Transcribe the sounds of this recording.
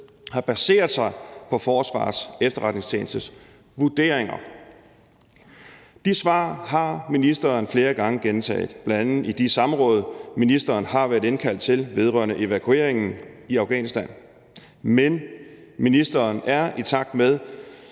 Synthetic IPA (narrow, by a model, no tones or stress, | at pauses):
hɑ̈b̥æse̝̰ːɐðˠsɑ̈ɪpʰɒ̽fɒːsʋɑ̰̈ːsefd̥ɐʁad̥ne̝ŋst͡sʰḛːn̩sd̥əs | ʋud̥e̝̰ɐ̰eŋɐ | d̥isʋɑ̰̈ːɦɑ̈minisd̥ɐːnfle̝ːɐɡ̥ɑ̈ŋəɡ̥ent͡sʰɛ̰ːðˠb̥læn̥ænð̩ˠid̥isɑ̈mʁɔ̽ːð̞̩ˠminisd̥ɐːnhɑ̈ʋæɐðˠe̝nkʰæl̰d̥̚t͡sʰe̝lʋe̝ð̞ˠʁœ̰ɐnəʔe̝ʋækʰue̝̰ɐ̰e̝ŋn̩iæ̈ʊɡ̥ɛ̰ːnisd̥æn̰ | men | minisd̥ɐːnæɐit͡sʰɑ̈ɡ̥̚d̥með̞ˠ